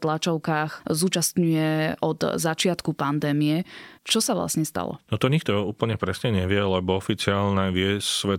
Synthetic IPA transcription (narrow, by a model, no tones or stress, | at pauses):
t̪lat͡ʃɔʊkaːxzuːt͡ʃast̪ɲujɛɔd̪zat͡ʃɪat̪kupand̪ɛːmiɛt͡ʃɔsaʋla̰sɲɛst̪a̰lɔ̰nɔt̪ɔɲik̚t̪ɔuːpl̩ɲɛpɾɛsɲɛɲɛʋɪɛlɛbɔɔfit͡sɪaːlnɛʋɪɛssʋɛt̪